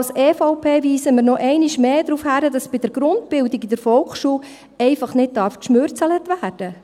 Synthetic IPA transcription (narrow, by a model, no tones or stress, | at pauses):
lseːfɔʊpʰeːʋiːsəməɾnɔʔɛɪniʃmeːdɾuːfhæɾədɑsb̥ɪd̥əɾɡ̥ɾʊndb̥ɪldɪɡidəɾfɔlkχʃuː | ɛɪfɑχnɪd̚dɑɾfkʃmøːɾt͡sɑlətʋæːrd̥ə